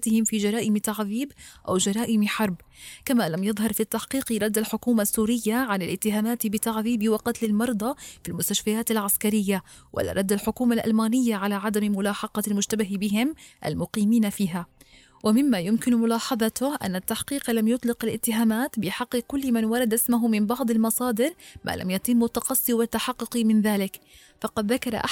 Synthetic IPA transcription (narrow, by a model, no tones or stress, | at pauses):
t̪ɪhɪmfiːd͡ʒɑɾˤɑːʔɪmt̪aʕðiːbʔawd͡ʒɑɾˤɑːʔɪmħɑɾˤb | kamalamjɑðˤɦɑɾˤfit̪ːaħqiːqɾˤɑd̪ːalħʊkuːmasːuːɾɪjːaʕanalʔɪt̪ːɪɦaːmaːt̪bɪt̪aʕðiːbɪwɑqɑt̪lɪlmɑɾˤd̪ˤɑfilmʊst̪aʃfajaːt̪alʕaskaɾɪjːa | wʔa̰lːa̰ɾˤɑd̪ːalħʊkuːmalʔa̰lmaːnɪjːaʕalaːʕad̪ammʊlɑːħɑqɑlmʊʒt̪abaɦbɪɦɪmʔa̰lmʊqiːmiːnafiːɦa | wamɪmːajʊmkɪnmʊlɑːħɑðˤɑt̪ʊʔa̰nːat̪ːaħqiːqlamjʊt̪ˤlɪqalʔɪt̪ːɪɦaːmaːt̪bɪħɑqːɨkʊlːmanwɑɾˤɑd̪ʔɪsmʊɦʊmɪmbɑʕd̪ˤɑlmɑsˤɑːd̪ɪɾmʔa̰ːlʔa̰mjat̪ɪmːʊt̪ːɑqɑsˤːiwat̪ːaħɑqːʊqimɪnðaːlɪk | fɑqɑd̪ðakɑɾ̰ˤʔa